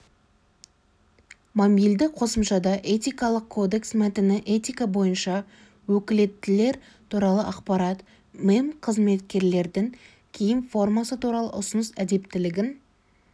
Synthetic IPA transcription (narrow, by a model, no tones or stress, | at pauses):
momijld̪ɪqʰo̞səmʃɑd̪ɑʔe̞t̪ijkɑlˠəqkʰːo̞d̪e̞ksmæt̪ɪnɪʔet̪ijkabo̞jənʃɑ | wɵkʲɪle̞t̪ːɪle̞ɾ | t̪ʰuɾɑlˠəʔɑqpɑɾɑt̪ | memqʰəzme̞t̪kʲe̞ɾle̞ɾd̪ɪŋ | kʲʰejɪnfo̞rmɑsət̪ʰuɾɑlˠə̰ʔʊsənəsæd̪e̞pt̪ɪlɪɡʲɪn